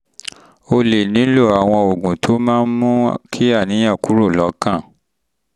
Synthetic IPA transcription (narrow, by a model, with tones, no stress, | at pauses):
o˧le˨nĩ˨˦lo˦˨a˨w̃ɔ̃˧o˨ɡũ˨tʰo˨˦mãː˦n̩˦mũ˦kʰi˦a˦˨nĩ˨˦ã˦˨ku˨˦ɾo˦˨lɔ˨˦kã˦˨